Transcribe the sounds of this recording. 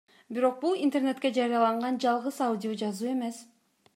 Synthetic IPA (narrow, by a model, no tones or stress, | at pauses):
biɾo̞q̚bulˠint̪e̞rne̞t̪ke̞d͡ʒɑɾijɑlˠɑɴʁɑnd͡ʒɑlˠʁɯzawudʲijod͡ʒɑzuːe̞me̞s